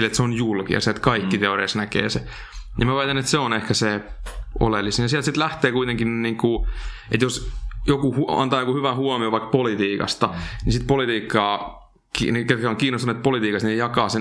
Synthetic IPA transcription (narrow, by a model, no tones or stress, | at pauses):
let̪seonjulkḭjɑ̰selt̪kɑikːit̪eoriɑsnækḛːse | jɑmæʋɑːt̪ɑnet̪seonehkæse | o̰lelːisenjɑsiælt̪sit̪læht̪eːkuit̪eŋkinniːŋku | ḛt̪josjokuhuɑ̰nt̪ɑːjokuhyʋæhuɔmioʋɑikpolit̪iːkɑ̰st̪ɑnisit̪polit̪iːkːɑː | kḭnket̪kæoŋkiːnost̪unuet̪̚polit̪iːkɑst̪niejɑkɑːse